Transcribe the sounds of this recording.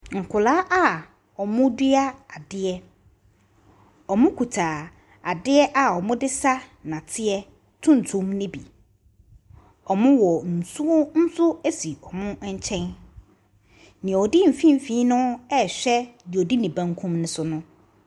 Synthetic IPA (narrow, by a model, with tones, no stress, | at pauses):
ŋ̩˨kʰʊ˨laː˦ʔa˦˨ | ɔ˨mʊ̃˦di˦a˦a˨dɪ˦ɛ˦ | ɔ˨mʊ̃˦kʰu˨tʰaː˨ | a˨dɪ˦ɛ˦ʔa˨ɔ˨mʊ̃˦dɪ˦sa˦nã˨tʰɪ˦ɛ˦ | tʰʊ̃˦n̩˨tʰũ˨˦m˦nɪ̃˦bḭ˨ | ɔ˨mʊ̃˦wɔ˨n̩˨su˦ʊ˦n̩˦sʊ˦ɛ˦si˨ɔ˨mʊ̃˦ɲ̩˦t͡ɕʰɛ̃˦n | nɪ̃˨ɔ˨di˦m̩˨fĩ˦m˨fĩ˦nʊ̃˦ɛ˦˨ɕᶣɛ˦ji˨ɔ˨di˦nĩ˨bã˦ŋkʰũ˦mnʊ̃˦sʊ˦nʊ̃˦